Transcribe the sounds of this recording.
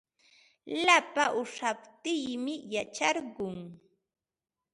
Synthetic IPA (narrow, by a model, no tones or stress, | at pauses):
lapaʔʊʂapt̪ɪjmɪjat͡ʃaɾɢʊŋ